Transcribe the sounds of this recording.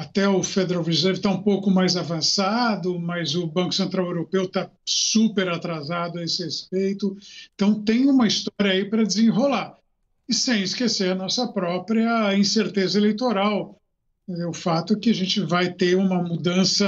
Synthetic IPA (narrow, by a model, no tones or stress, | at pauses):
at̪ɛʊfed̪eɾawvizizejɾʊt̪aũpowkʊmajzavɐ̃sad̪ʊmɐzʊbɐ̃kʊsẽnt̪ɾawewɾopewt̪asupeɾat̪ɾazad̪ʊɐesɪhespejt̪ʊẽt̪ɐ̃w̃t̪ẽj̃ũmɐist̪ɔɾjɐaipɾɐd͡ʒɪzẽɦola | ɪsẽj̃ɪskeseɾɐnɔsɐpɾɔpɾiɐĩseɾt̪ezɐelejt̪oɾaw | ʊfat̪ʊkɪaʒẽnt͡ʃɪvajt̪eũmɐmud̪ɐ̃sɐ